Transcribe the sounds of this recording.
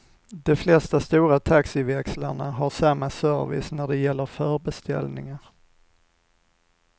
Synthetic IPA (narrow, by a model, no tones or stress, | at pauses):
d̪ɔflɛst̪ast̪uːɾat̪ʰaksɪvɛkslaɳaɦaɾʂamːasœɾvɪ̰snæɖɛjɛlːəɾfœːɾbɛst̪ɛ̰lnɪŋaɾ